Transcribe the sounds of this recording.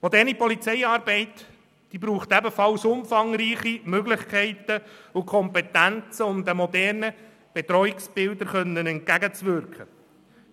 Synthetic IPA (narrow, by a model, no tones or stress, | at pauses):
mɔdɛːɾnipɔlit͡sɛɪɑːɾbɛɪt | d̥iːbɾuːχt̪ɛbəfɑlsʊmfɑŋɾiːχimøɡlɪχkʰɛɪt̪əʊkʰɔmpɛtænt͡səʊmd̪əmɔdɛɾnə | b̥et̪ɾɔɪksb̥ɪld̪əɾχœnːənɛnt̚ɡæɡət͡sʋʏɾkχə